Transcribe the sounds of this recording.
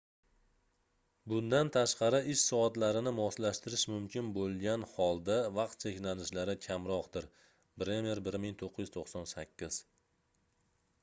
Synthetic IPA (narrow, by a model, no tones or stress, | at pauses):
bʊnd̪ant̪ʰaʃqɑɾɪʔɪʃsɒat̪laɾɪnɪmɒslaʃt̪ɪɾɪʃmʊmkʲʰɪnbolˠɡʲanhɒlˠd̪avɑqt̪̚t͡ʃʰe̞kʲnanɪʃlaɾɪkʲʰamɾɒqd̪ɪɾ | bɾemijeɾbɪɾmɪŋt̪ʰoqʰːɨjʏzt̪ʰoqsɒnsakʲʰːɪz̥